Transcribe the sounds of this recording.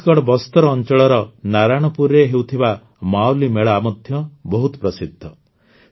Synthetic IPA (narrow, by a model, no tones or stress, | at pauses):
kɔɽbɔst̪ɔɾɔːnt͡ʃɔɭɔɾɔnaɾaɽ̃ɔpuɾeɦewt̪ʰiba | mawlimeɭɔamɔd̪ʱjɔbɔɦut̪ɔpɾɔsid̪ʱːɔ